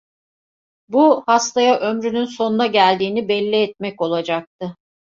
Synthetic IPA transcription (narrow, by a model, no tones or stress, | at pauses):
buhast̪ʰajaʔømɾynynso̞nunaɟælʲd̪iːnibɛlʲːiɛt̪̚mɛco̞lˠad͡ʒak̚t̪ʰɯ